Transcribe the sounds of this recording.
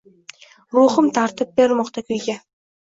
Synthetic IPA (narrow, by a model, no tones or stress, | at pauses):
ɾuːχʊmt̪ʰɑɾt̪ɨp̚beɾmoqt̪ɑkʲʰyjɡʲe